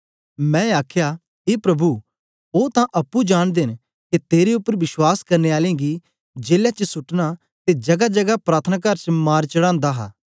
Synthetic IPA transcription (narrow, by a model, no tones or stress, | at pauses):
mɛ̃ːaːkʰja | ɦeːpɾɐbʱu | oːt̪ãʔɐpːũd͡ʒaːɽ̃d̪en | ket̪eːɾeʊpːəɾʋɪswaːskɐɾneaːlẽɡi | d͡ʒeːljat͡ʃəsʊʈna | t̪ed͡ʒɐɡad͡ʒɐɡapɾaːt̪ʰənak̬ɐɾt͡ʃmaːɾt͡ʃɐɽãːnd̪aɦa̰ː